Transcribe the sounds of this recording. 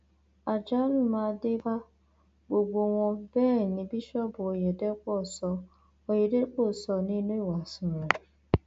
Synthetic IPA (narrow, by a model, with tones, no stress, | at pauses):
a˨d͡ʒa˦ɾi˦ma˦dɪ˦ba˦ | ɡ͡bo˨ɡ͡bo˨ŋʷɔ˨be˦˨ni˨bi˦ʃɔ˦bʊ˨o˨je˨de˦kʷɔ˦˨sɔ˨ | o˨je˨de˦k͡po˦˨sɔ˨ni˦nu˦i˦˨wa˨sʊ˨ɾa˨